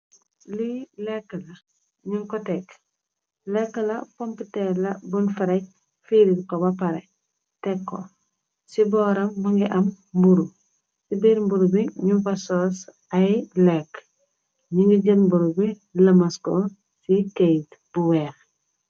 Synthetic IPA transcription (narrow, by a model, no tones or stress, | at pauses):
lilɛkːəlɐ | ɲuŋkɔtɛk | lɛkːəlɐpompitɛlɐbunfɐɾɛc̚ | fiɾitkɔbɐpɐɾe | tɛkːo̰ | sibɔːɾɐmːɐŋɡiʔɐm | buɾu | sibiɾmbuɾubiɲukɐsoːs | ɐjlɛkː | ɲuŋɡiɟəlmbuɾubi | lɐmasko | sikejtbuwɛːx